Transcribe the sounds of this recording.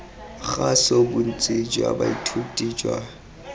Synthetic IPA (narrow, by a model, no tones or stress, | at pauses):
χasobun̩t͡sʼɪd͡ʒwa̰ba̰itʰutʼid͡ʒwa